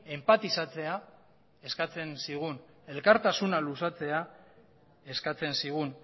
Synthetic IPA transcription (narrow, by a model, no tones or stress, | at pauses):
empat̪isat͡se̞a | e̞skat͡se̞nsiɣ̞un | e̞lkaɾt̪asunalusat͡se̞a | e̞skat͡se̞nsiɣ̞un